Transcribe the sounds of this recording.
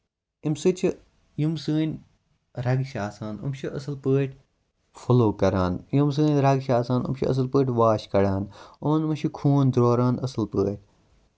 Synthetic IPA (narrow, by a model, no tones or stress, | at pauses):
imsɨt͡ʃʰi | jumsɨːnʲ | ɾɐɡʃaːsaːnṵmʃʰiʔɐsɨlpəːʈʰʲ | fʰoloːkɐɾaːnjums̬ɨːnʲɾɐɡʃaːsaːnṵmʃʰḭɐ̰s̬ɨlpəːʈʰʲʋaːʃkɐɽaːnumɐnmɐʃʰikʰuːnd̪ɾoːɾaːnɐsɨlpəːʈ̚ʰʲ